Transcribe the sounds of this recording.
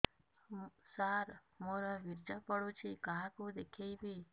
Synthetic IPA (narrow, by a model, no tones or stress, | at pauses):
saɾ | moɾaʋiɾd͡ʒəpəɽũt͡ʃʰikaɦakũd̪ekʰejbi